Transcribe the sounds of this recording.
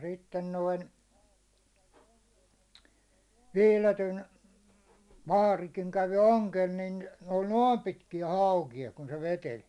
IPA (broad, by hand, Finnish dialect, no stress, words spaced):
sitːen noin ʋiːletyn ʋɑːrikiŋ kæʋi oŋkel nin ne olʲ noːm pitkijæ hɑˑukijɑ kun se ʋetelʲ